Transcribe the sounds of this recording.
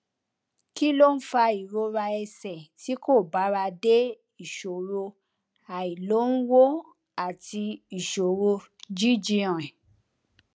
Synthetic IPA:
ki˦lo˦n̩˦fa˧i˨ɾo˧˦ɾa˧ɛ˧sɛ˨ti˨˦ko˦˨ba˨˦ɾa˧de˦ | i˨ʃo˨ɾo˧ | a˨i˨lo˨˦n̩˦wo˦ | a˨ti˧i˨ʃo˨ɾo˧ | d͡ʒi˦d͡ʒi˧˦ã˨ɛ˨

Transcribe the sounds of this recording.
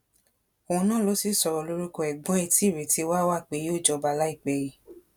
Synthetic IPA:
o˧˨ũ˧nãː˦˨lo˨˦si˦sɔ˧ɾɔ˧˨lo˧˦ɾi˦ko˧ɛ˨ɡ͡bɔ̃˦ɛ˧ti˦˨ɾe˨ti˧˦wa˦wa˦˨k͡pe˨˧˦jo˦˨d͡ʒɔ˧˦ba˧˦˨la˦i˦˨k͡pɛ˧ji˨˦

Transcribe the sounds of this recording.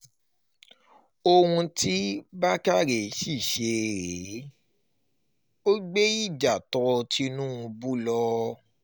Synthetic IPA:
o˧wũ˧ti˦ba˦ka˦˨ɾe˨ʃi˦˨ʃe˨˦ɾe˨˦ | o˦ɡ͡be˦i˦˨d͡ʒa˨tɔ˨˧tʰi˦nũ˦ũ˧bu˦lɔ˧

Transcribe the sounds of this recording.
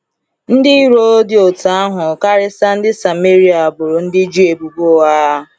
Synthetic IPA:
n̩˦dɪ˦i˦ɾo˦dɪ˦o˨ta˨a˦ɦʊ˨ka˦ɾɪ˦sa˦n̩˦dɪ˦sa˨me˦ɾi˦a˨bʊ˨ɾʊ˨n̩˦dɪ˦d͡ʒi˦e˨bu˨ɡ͡bo˦wa˦˨

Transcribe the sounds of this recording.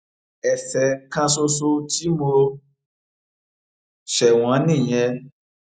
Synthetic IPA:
ɛ˨sɛ˨˦kã˦so˦˧so˦ti˦mo˧ | ʃɛ˨w̃ɔ̃˨˦nĩ˦˨j̃ɛ̃˧

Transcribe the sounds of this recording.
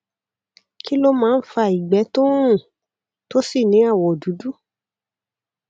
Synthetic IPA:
ki˦lo˦mãː˦˧n̩˦fa˧i˨ɡ͡bɛ˨˦to˦ũ˦˨ | to˦si˦˨nĩ˨˦a˦˨wɔ˨du˨˦du˦

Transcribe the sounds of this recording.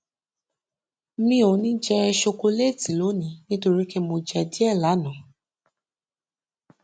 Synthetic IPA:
mĩ˧˦o˨˦nĩ˦d͡ʒɛ˧ɛ˧ʃo˧ko˧le˦˨tĩ˨lo˨˦nĩ˨˦nĩ˦to˧ɾi˦ke˦mo˧d͡ʒɛ˧di˦ɛ˦˨la˨˦nã˨

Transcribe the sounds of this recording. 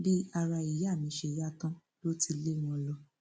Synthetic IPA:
bi˦a˧ɾa˧i˨ja˦˨mĩ˨˧˦ʃe˧˨ja˦kã˦ | lo˦ti˧le˦˨w̃ɔ̃˧˦lɔ˧˦

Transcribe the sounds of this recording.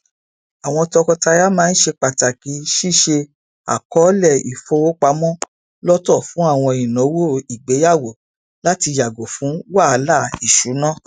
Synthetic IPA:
a˨w̃ɔ̃˧tɔ˧kɔ˧ta˧ja˦mãː˦˧n̩˦ʃe˧k͡pa˨ta˨ki˨˦ʃi˦˨ʃe˧ | a̰˨kɔ˨˦lɛ˦˨i˨fo˧o˦k͡pa˧mɔ̃˦ | lɔ˦tɔ˦˨fũ˨˦a˦˨w̃ɔ̃˧i˨nɔ̃˨˦wo˦˨i˨ɡ͡be˨˦ja˦˨wo˨ | la˦ti˧ja˨ɡo˨fũ˨˦wa˦˨˧la˦˨i˨ʃu˨˦nã˦˨

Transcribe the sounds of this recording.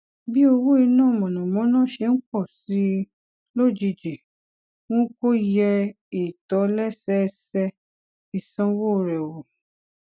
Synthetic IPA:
bi˦o˧wo˦i˧nãː˦˨mɔ̃˨nɔ̃˨mɔ̃˨˦nãː˦˨ʃe˧˦˧ŋ̩˦k͡pɔ˦˨si˨˦ | lo˦˨d͡ʒi˧d͡ʒi˨ | w̃õ˦ko˦jɛ˧ | i˨tɔ˨˦lɛ˦sɛ˦˧sɛ˧ | i˧sã˦wo˦˧ɾɛ˨wo˨

